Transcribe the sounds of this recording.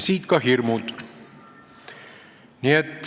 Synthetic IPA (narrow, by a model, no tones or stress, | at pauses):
siːt̪kɑɦirmult̪ | niet̪